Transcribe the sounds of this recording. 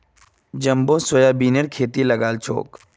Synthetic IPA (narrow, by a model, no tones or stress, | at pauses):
d͡ʒɐmbosojabiːnəɾkʰeːt̪ilɐɡaːlt͡ʃʰo̰ːk